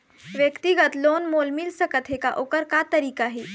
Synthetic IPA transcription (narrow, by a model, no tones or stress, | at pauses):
ʋjəkt̪iɡət̪loːnmoːlmilsəkət̪ɦekaʔokəɾkat̪əɾiːkaɦiː